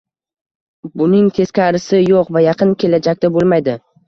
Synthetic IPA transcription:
bʊnɪŋt̪ʰe̞skʲaɾɪsɪjoqvajɑqʰɨnkʲʰe̞lad͡ʒak̚ʲt̪abolˠmajd̪ɪ

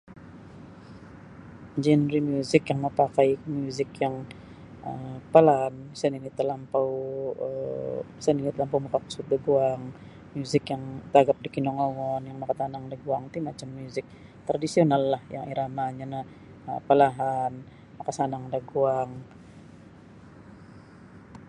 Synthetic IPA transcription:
d͡ʒɛnɾimjuzɪkjaŋməpakajmjuzɪkjaŋ | əpalansaninit̪əlampawə | səninit̪əlampawmakaku̥sut̪̚daɡuaŋ | mjuzɪkjaŋt̪aɡap̚dikinɔŋowɔnjaŋmakat̪anaŋdaɡuaŋt̪imat͡ʃamːjuzɪk̚ | t̪ɾadisionalːahjaŋḭɾamaɲana | ə̰pəlaɦan | makasanaŋdaɡuaŋ

